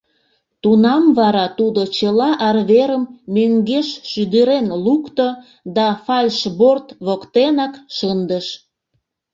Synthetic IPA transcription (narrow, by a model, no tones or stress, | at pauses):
t̪unɑmβɑɾɑt̪ud̪ot͡ɕəlɑʔɑrβeɾəmːøŋɡeʃʃyd̪əɾenlukt̪o | d̪ɑfɑlʲʃbort̪βokt̪enɑkʃənd̪əʃ